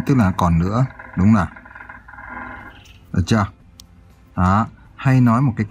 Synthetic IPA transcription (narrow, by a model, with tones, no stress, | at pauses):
t̪ɨ˦˥k̚laː˨˩˦kɔ˨˩nnɨ̰˧˥əɗʊ˨˦wŋ͡mzaː˨˩ | ʔə˨˩t͡ɕaː˧˩ | ʔaː˨˩˦ | ha˧jnɔ˨˦jmo˨˩t̚kaː˨˦jk